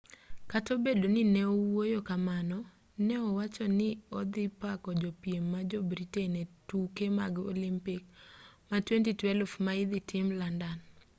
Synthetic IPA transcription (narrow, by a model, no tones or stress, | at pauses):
katobedonɪnɛɔwojokamanɔ | nɛɔwat͡ʃɔnɪɔd̪ɪpakɔd͡ʒɔpiemːad͡ʒɔbɾitenɛtukemaɡo̰limpik̚matwentitwɛlfmaɪd̪ɪtʰɪmlandan